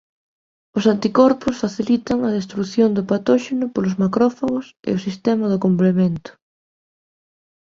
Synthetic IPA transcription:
ʊsant̪ikɔɾpʊsfaθilit̪ɐŋɐðest̪ɾuθjond̪ʊpat̪ɔʃenʊpolʊzmakɾɔfaɣʊsɪ̰ʊsist̪ɛmɐðʊkomplemẽnt̪ʊ̥

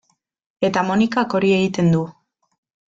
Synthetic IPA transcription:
e̞t̪amo̞nikako̞ɾie̞ɣit̪e̞nd̪u

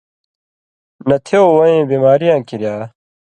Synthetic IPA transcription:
nɐt̪ʰeoːwɐẽːbiːmaːɾijãːkiɾjaː

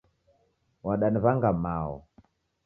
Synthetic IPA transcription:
waɗaniβaŋɡamaɔ̰

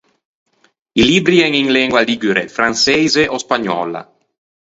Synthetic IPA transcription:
ilibɾiɛŋiŋlɛŋɡwaliɡyɾefɾansɛjzeʔospaɲɔ̰ːla̰

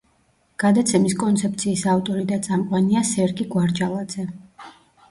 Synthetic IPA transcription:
ɡ̥ad̪at̪sʰɛmiskʼɔnt̪sʰɛp̚t̪sʰiːsavt̪ʼɔɾid̪at̪sʼamqʼwaniasɛɾɡiɡwaɾd͡ʒalˠad̪z̥ɛ

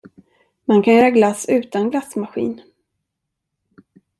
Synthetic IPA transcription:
mankʰanjœːɾaɡlasʉ̟ːt̪anɡlasmaɧḭːn

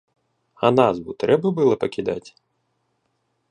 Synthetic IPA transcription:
ɐ̰nazbut̪ɾɛbɐbɨlˠɐpɐkʲid̪a̰tʲ

